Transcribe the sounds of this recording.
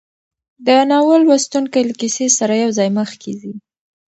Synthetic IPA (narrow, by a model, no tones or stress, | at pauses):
d̪ənɑwəlwast̪uŋkajlakisesaɾajawzɑjməxkezi